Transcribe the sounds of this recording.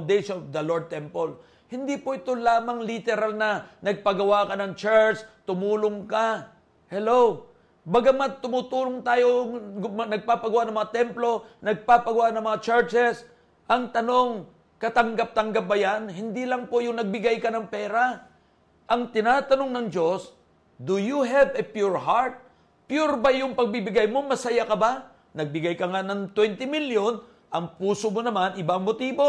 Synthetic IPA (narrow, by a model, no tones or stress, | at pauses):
d̪ejʃonovd̪ɐloɹd̪̚t̪ɛmpɐl | hɪnd̪ipoʔɪt̪o̞laːmɐŋlɪt̪ɛɾalnɐnɐɡ̚pɐɡɐwakɐnɐŋt͡ʃɛɹt͡ʃt̪ʊmuːlʊŋka | hɛlow | baɡamat̪ʊmut̪uːlʊŋt̪aːjomnɐɡ̚papɐɡʊwaʔnɐŋmɐŋat̪ɛmplo̞nɐɡ̚papɐɡʊwaʔnɐŋmɐŋat͡ʃɛɹt͡ʃɛs | ʔɐŋt̪ɐno̞ŋ | kɐt̪ɐŋɡap̚t̪ɐŋɡap̚bɐjanɦɪnd̪ilɐŋpo̞jʊŋnɐɡ̚bɪɡajkɐnɐŋpɛːɾa | ʔɐŋt̪ɪnat̪ɐno̞ŋnɐŋd͡ʒo̞s | d̪ʊjuɦɛvɛpjuɹɦaɹt̪̚ | pjuɾbajʊŋpɐɡ̚bɪbɪɡajmoŋmɐsɐjakɐba | nɐɡ̚bɪɡajkɐŋanɐŋt̪wɛnt̪ɪmiljon | ʔɐŋpuːsomonɐmanɪbaŋmot̪iːbo̞